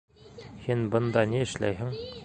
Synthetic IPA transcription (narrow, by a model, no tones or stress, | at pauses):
hinbɤ̆nd̪ɑniɘ̆ʃlæ̰jɦɘŋ